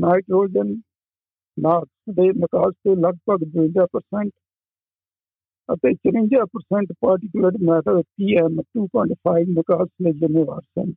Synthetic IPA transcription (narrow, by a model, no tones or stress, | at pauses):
naːɪʈɾoːd͡ʒən | naːksd̪eːnəkaːst̪eːləɡ̚pəɡd̪ʊɪ̃ɲd͡ʒaːpəɾsɛɳʈ | ə̰t̪eːt͡ʃəɾɪ̃ɲd͡ʒaːpəɾsɛ̃ɳʈpaːɾʈɪkjʊləɾmɛːt̪əd̪t̪iːɛːmʈuːpɔːɪɳʈpʰaːɪʋnəkaːsleːd͡ʒəmeːʋa̰ːɾsə̰n